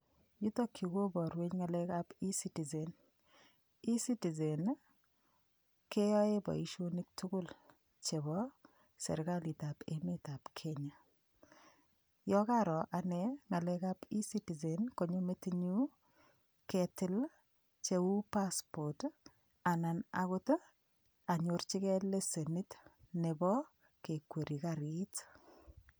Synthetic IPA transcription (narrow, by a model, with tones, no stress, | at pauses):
ju˦t̪o˦kʰːi˨ɡo˦bɔ˨ɾwe˦ɲŋa˨lɛ˦ka˦pi˦si˦ti˨ze˨n | i˦si˦ti˨ze˨n | ke˦jɔ˦e˦bɔ̰˨i˨ʃo˦ni˦k̚tʰu˦kʊ˦l | t͡ʃe˨bɔ˦ | sɛ̰˨ɾɡa˦li˨t̪a˨pe˨me˦t̪a˨pkʰe˦ɲa˨ | jɔ˦ka˦ɾɔ˨ʔa˨nɛ˦ŋa˨lɛkapi˦si˦ti˨zenkoɲo˦metiɲu˦ | kɛtɪ˦l | t͡ʃe˦u˦paspot | a˨nana̰kot | a˨ɲort͡ʃi˦kɛ˦le˦se˨nitnebɔ˦ | kekwe˨ɾi˨kaɾit